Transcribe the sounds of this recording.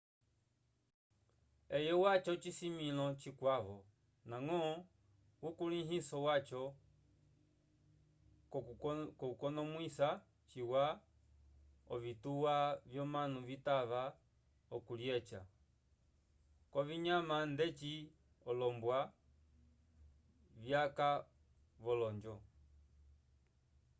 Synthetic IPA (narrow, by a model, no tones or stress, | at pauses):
ɛjɔwat͡ʃɔt͡ʃisimilɔt͡ʃikwaβɔ | naŋɔ | ukuliɦisɔwat͡ʃɔ | kɔukɔnɔmwisa | t͡ʃiwa | ɔvituwavjɔmanuvitaβa | ɔkuljɛt͡ʃa | kwɔviɲamandɛt͡ʃi | ɔlɔmbwa | vjaka | βɔlɔɲd͡ʒɔ